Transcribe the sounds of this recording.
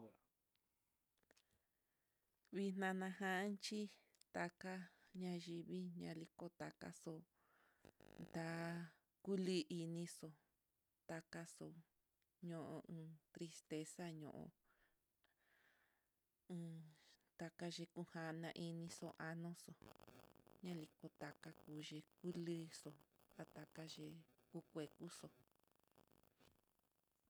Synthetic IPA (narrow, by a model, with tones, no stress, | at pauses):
βi˧n̥ã˧nã˧ɦã˦nt͡ʃi˦ | t̪a˧ka˦ɲã˧ʒi˧βi˦ɲã̰˧li˧ko˦t̪a˧ka̰˦so˧ | t̪a˧ | ku˦li˦ʔi˧nĩ˧so˧ | t̪a˧ka˧so˧˨ | ɲõ˧ʔõ̰˧ɨ̃ː˧t̪ɾi˧st̪e˧sa˦ɲõ̰˧˨ʔõ̰˧ | ɨ̃ː˧t̪a˧ka˧ʒe˧ku˧ha˧nã˧ʔi˧nĩ˧so˧ʔa˧nõ˦so˨ | ɲã˦li˧ko˧t̪a˧ka˧kuː˧ʒe˧ku˦lɨ˦so˧t̪a˧t̪a˧ka˦ʒe˧ku˧kʷe˨ku˦so˧